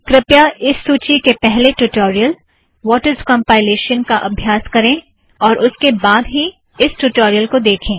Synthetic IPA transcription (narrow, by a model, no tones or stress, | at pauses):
kɾɪpjaɪsːuːt͡ʃikepɛɦleʈuʈoːɾijəl | ʋɔːʈəɾzkɔ̃mpaːɪleːʃənkaʔɐbʱjaːskɐɾẽ | ɔːɾʔʊskebaːd̪ɦi | ɪsʈuʈɔːɾijəlkod̪eːkʰẽː